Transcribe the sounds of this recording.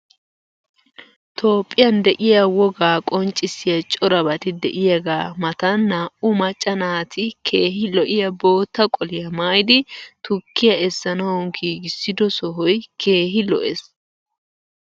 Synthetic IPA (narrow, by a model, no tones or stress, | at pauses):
t̪ʰo̞ːpʼːɪjɐnd̪ɛʔɪjɐwɔɡaːkʼɔnt͡ʃʼːɪsɪjɐt͡ʃʼɔɾɐbɐt̪ɪd̪ɛ̰ʔɪjɐɡaːmɐt̪ɐnːɐʊmɐt͡ʃʼːɐnaːt̪ʰɪkʰe̞ːɦɪlɔʔɪjɐbo̞ːt̪ːɐkʼɔlɪjɐmaːjɪd̪ɪt̪ʊkːɪjɐɛsːɐnɐwɔŋɡiːɡɪsːɪd̪ɔsɔɦɔjkʰe̞ːɦɪlɔ̰ʔes